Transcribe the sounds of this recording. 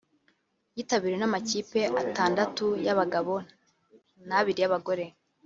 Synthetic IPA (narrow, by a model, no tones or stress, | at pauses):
jiːtaβiɾenamaciːpe̞ʔataːndatujaβaɡaβo̞ | naβiɾijaβaɡo̞ɾe̞